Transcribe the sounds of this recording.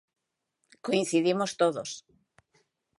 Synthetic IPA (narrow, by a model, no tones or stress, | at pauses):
koĩn̟θiðimost̪oðos